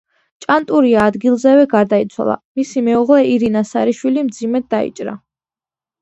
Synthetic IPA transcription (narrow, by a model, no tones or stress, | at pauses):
t͡ʃʼant̪ʼuɾiaːd̪ɡilˠzɛvɛɡaɾd̪ait̪sʰwa̰lˠa̰misimɛuʁlɛiɾinasaɾiʃwilimd̪zimɛd̪̚d̪aḭt͡ʃʼɾa̰